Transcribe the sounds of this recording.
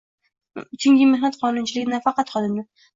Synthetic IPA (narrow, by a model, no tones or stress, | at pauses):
ʊt͡ʃʰɪŋɡʲɪmehnat̪qʰɒnʊnt͡ʃʰɪlɪɡʲɪnafɑqɑt̪χɒd̪ɪmnɪ